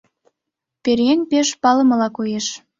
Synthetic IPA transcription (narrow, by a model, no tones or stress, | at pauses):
peɾjenʲpeʃpɑlɤ̆mɤ̆lɑkojeʃ